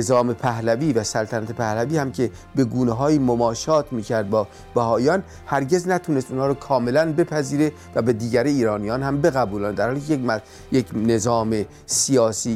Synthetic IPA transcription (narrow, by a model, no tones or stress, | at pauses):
ezɒːmepʰæhlæviːvæsælt̪ʰænæt̪ʰepʰæhlæviːhæmcʰe̞ | be̞ɡuːneɦɒːjiːmomɒːʃɒːt̪ʰmiːcʰæɾd̪̚bɒː | b̥æhɒːjɒːn | hæɾɟe̞znæt̪ʰunest̪unhɑːɾɔːkʰɒːme̞lænbe̞pʰæziːɾe̞ | væbed̪iːɟæɾeiːɾɒːnijɒːnhæmbe̞ɣæbuːlænd̪æɾhɒːlikʰeemæ | jekne̞zɒːme | sijɒːsiː